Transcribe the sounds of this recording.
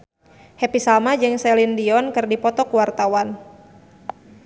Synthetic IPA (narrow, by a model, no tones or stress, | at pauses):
hɛpisalmad͡ʒɨŋsɛlindiɔnkɨrdipɔt̪ɔkuwart̪awan